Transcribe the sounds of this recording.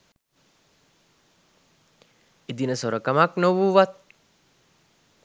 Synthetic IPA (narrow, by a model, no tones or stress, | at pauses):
id̪inəsoɾəkəmaknoʋuːʋat̪̚